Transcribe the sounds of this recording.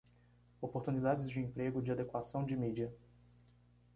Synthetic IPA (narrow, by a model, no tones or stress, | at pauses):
opoɾt̪unid̪ad͡ʒɪzd͡ʒɪẽmpɾeɡʊd͡ʒɪad̪ekwasɐ̃w̃d͡ʒɪmid͡ʒiɐ